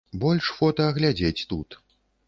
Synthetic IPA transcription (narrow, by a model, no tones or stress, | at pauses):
bɔlʲʂfɔt̪ɐːɣlʲad͡zʲet͡sʲt̪ut̪